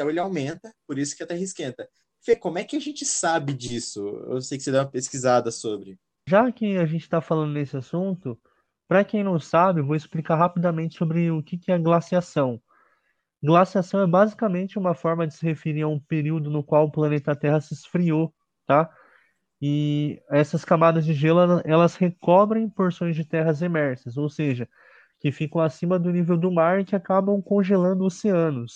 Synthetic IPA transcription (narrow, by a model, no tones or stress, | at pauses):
t̪ɐ̃w̃elɪawmẽnt̪ɐpoɾisʊ̥kɪat̪ɛhiskẽnt̪ɐ | fekõmʊɛkɪaʒẽnt͡ʃɪsabɪd͡ʒisʊḛwsejkɪ̥sed̪ɛũmɐpeskizad̪ɐsobɾɪ | ʒakɪaʒẽnt͡ʃɪ̥t̪afalɐ̃nd̪ʊnesɪasũt̪ʊ | pɾɐkẽj̃nɐ̃w̃sabɪevoɪsplikaɦapid̪ɐmẽnt͡ʃɪ̥sobɾɪʊkɪkɪɛɐɡlasiasɐ̃w̃ | ɡlasiasɐ̃w̃ɛbazikɐmẽnt͡ʃɪũmɐfɔɾmɐd͡ʒɪsɪhefeɾiɾɐũpeɾiwd̪ʊnʊkwawʊplɐnet̪ɐɐt̪ɛɦɐsɪsfɾio | t̪a | ɪɛsɐskamad̪ɐzd͡ʒɪʒɛlʊɛɐʔɛlɐshekɔbɾẽj̃poɾsõj̃zd͡ʒɪt̪ɛɦɐzemɛɾsɐsowseʒɐ | kɪfikɐ̃w̃asĩmɐd̪ʊnivewd̪ʊmaɾɪkɪakabɐ̃w̃kõʒelɐ̃nd̪ʊoseɐ̃nʊs